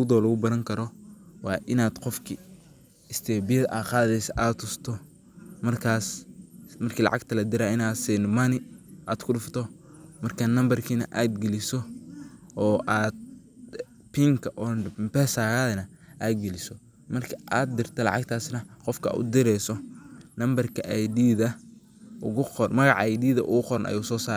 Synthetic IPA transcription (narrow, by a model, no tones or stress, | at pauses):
ʊd̪ɔːlʊɣʊbɐɾɐŋkʰɐɾɔwɑːʔɪnaːd̪̥qɔfkʰi | ɪst̪ʰɛːbɪjɐðɐʔaːqɑːðɛjsɐʔaːd̪ʊst̪ʰɔ | mɐrkʰaːsmɐrkʰiːlɑ̰ʕɑ̰ɡt̪ʰɐlɐd̪ɪɾaɪnaːd̪siːnmɐnɪʔaːd̪̥kʰʊɗʊft̪ʰɔ | mɐrkʰɐnɐmbɐrkʰiːnɐ̰ʔaːd̪ɡɛlɪsɔ | ɔːʔaːd̪̚ | pʰiŋkʰɐʔɔbɛːsaːɣaːðɐnɐ | ʔaːd̪̚ɡɛlɪsɔ | mɐrkʰɐʔaːd̪̚ːɪrt̪ʰɐlɑ̰ʕɑ̰ɡt̪ʰaːsnɐqɔfkʰɐa̰ʊ̰d̪ɪɾɛjsɔnɐmbɐrkʰɐʔajd̪iːðɐ | ʔʊɣʊɔrmɐɣɑʕajd̪iːðɐ̰ʔʊɣʊqɔɾɐnʔɐ̰juːsɔːsaːɾ